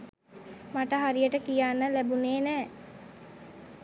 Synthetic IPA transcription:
maʈəɦaɾijəʈəkijanːəlæbuneːnɛː

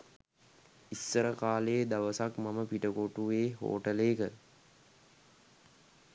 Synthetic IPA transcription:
isːəɾəkaːleːd̪ɐʋəsakmaməpiʈəkoʈuʋeːɦo̰ːʈəleːkə

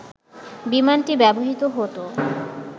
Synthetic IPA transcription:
bimanʈibɛboɦit̪oɦot̪o

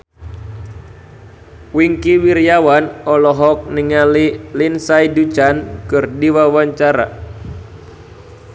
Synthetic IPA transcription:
wiŋkiwirjawanɔlɔɦɔk̚niŋalilinsaidut͡ʃankɨrdiwawaɲt͡ʃaɾa̰

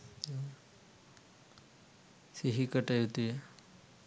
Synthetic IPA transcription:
seɦikəʈajɦot̪e

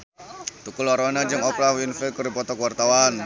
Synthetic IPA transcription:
t̪ukʊlɔɾanad͡ʒɨŋɔplahwinfɛlkurdipɔt̪ɔkwart̪awan

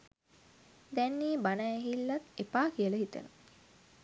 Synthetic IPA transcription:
d̪ɛnːiːbanaeɦilːat̪epaːkiələɦit̪ə̰nə

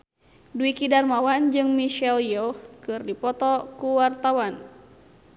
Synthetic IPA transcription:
duikidarmawand͡ʒɨŋmiʃɛljɔkɨrdipɔt̪ɔkuwart̪awan

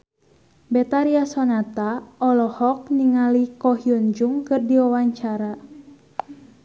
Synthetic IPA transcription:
bɛt̪aɾiasɔnat̪aɔlɔhɔk̚niŋalikɔɦiund͡ʒuŋkɨrdiwawaɲt͡ʃaɾa

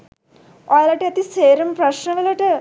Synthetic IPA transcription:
ɔːjɐlɐʈeɐt̪iseːɾɐmpɾɐʃnɐʋɐlɐʈɐ

